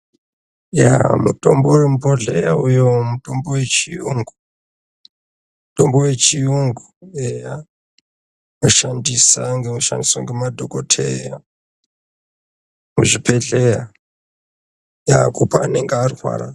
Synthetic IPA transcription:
ja̰mutʼomboremupoɮejaujomutʼombowet͡ʃijuŋɡu | mutombowet͡ʃijuŋɡueja | noʃandisaŋɡemoʃa̰ndiswaŋɡemadʱokotʰeja | muʐipʰeɮeja | ja̰kupaːne̞ŋɡearirwa̰ːɾa

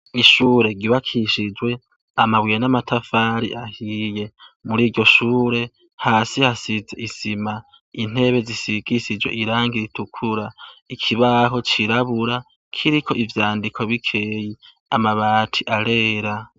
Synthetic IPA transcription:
iʃuːɾe̞ɡiβakʰiʃid͡ʒwe̞ | amaβwijenamatʰafaːɾḭʔahije̞muɾiːɟo̞ʃuːɾe̞ | haːsihasize̞̰ʔisima | in̥e̞βe̞zisiɡ̥isid͡ʒwe̞ʔiɾaːŋɡiɾitukʰuɾaikʰiβaɦo̞t͡ʃiɾaβuɾa | kʰiɾikʰo̞ʔivjaːndikʰo̞βikʰe̞ːji | amaβaːtʰiʔaɾe̞ːɾa

